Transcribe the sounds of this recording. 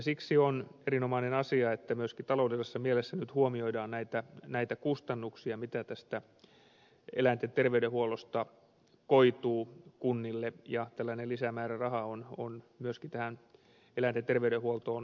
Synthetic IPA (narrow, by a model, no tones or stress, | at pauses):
siksionerinomɑinenɑsiɑet̪ːæmyøskit̪ɑloˑudesesːɑmielesːænyt̪huomioidɑːnnæit̪ænæit̪ækust̪ɑnːuksiɑmit̪æt̪æst̪æ | ḛlæint̪et̪erʋeydɾehuolost̪ɑ | koit̪uːkunːilːejɑt̪ælːænelisæmæːrærɑhɑonon | myøskit̪æhæn | elænt̪ent̪erʋeydehuolt̪oːn